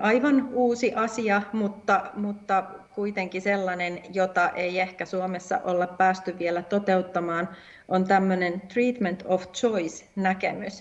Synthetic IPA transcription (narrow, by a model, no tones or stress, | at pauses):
ʔɑiʋɑnuːsiʔɑsiɑmut̪ːɑmut̪ːɑkuit̪eŋkiselːɑnenjot̪ɑʔeijehkæsuomesːɑ̰ʔolːeppæːst̪yʋʋielæt̪ot̪e̞ut̪ːɑmɑːn | ʔont̪æmːønent̪riːt̪ment̪ʰoft͡ʃoisnækemys